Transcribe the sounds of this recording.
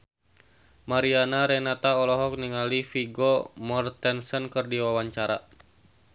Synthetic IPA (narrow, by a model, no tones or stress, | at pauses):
maɾianaɾɛnat̪aɔlɔɦɔk̚niŋalifiɡɔmɔrt̪ɛnsɔnkɨrdiwawaɲt͡ʃaɾa